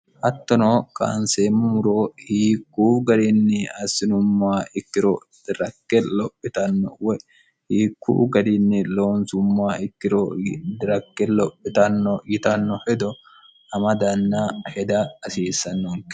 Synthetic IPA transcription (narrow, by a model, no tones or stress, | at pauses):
hɐt̪ːɔnoːkʼa̰ːnseːmmʊɾoːhiːkːuːɡɐd̪ɪnːɪɐsːɪnʊmːaːɪkːɪɾɔ | d̪̥ɪɾɐkːɛlɔpʼːɪt̪ɐnːɔ̰wɛ | hiːkʰːṵːɡɐd̪ɪnːɪlo̞ːnsʊmːaːɪkːɪɾɔd̪ɪɾɐkːɛlɔpʼːɪt̪ɐnːɔɡɪt̪ɐnːɔhɛd̪ɔ | ɐmɐd̪ɐnːɐhɛd̪ɐːsiːsːɐnːoŋk